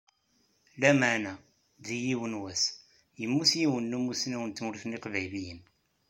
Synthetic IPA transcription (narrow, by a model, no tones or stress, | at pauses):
læməʕnæ | ðijiwənwæs | jəmːusjiwənːumusnæwənt̪muɾifniqvæjlijən